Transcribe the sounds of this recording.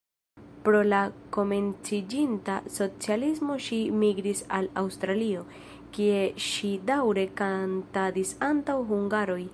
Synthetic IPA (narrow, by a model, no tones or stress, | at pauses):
pɾo̞lako̞me̞nt͡sid͡ʒintaso̞t͡sialismo̞ʃimiɡɾisalawstɾalio̞ | kie̞ʃidawɾe̞kantadisantawɦuŋɡaɾo̞j